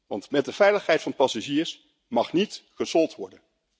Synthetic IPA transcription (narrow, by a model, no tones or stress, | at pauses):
ʋɑntmɛt̚dəvɛjləχɦɛjtfɑnəpɑsaʒiːɹs | mɑχnitχəsɔlˠtʋɔɹdən